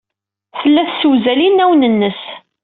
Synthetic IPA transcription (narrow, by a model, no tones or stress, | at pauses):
θəlːæθsuwzælinæwnənːəs